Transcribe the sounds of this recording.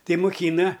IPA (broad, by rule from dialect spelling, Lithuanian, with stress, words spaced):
ˈtɐɪ mʊˈkʲiːnɐ